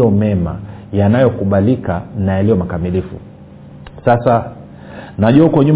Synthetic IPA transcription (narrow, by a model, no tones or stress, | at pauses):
ɔmɛma̰janajɔkuɓalikanaɛlijɔmakamilifṵ | sasa | naʄuaukɔɲum